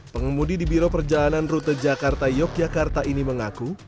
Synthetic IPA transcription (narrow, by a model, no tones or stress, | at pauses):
pəŋəmudidibiɾopərd͡ʒalananrut̪əd͡ʒakart̪ajɔk̚d͡ʒakart̪aʔiniməŋaku